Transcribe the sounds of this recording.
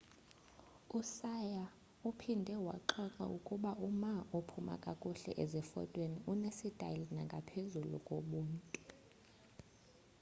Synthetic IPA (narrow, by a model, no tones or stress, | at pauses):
usaja | upʰindʱɛwa̰ǃɔŋ͡ǃa̰ukʼuɓaʔumaopʰuma̰kʼakʼuɬɛ̰ʔezɛfɔ̰tʼweniʔunesid̥ʱa̰linaŋɡʱapʰezulṵkʼoɓuːntʼu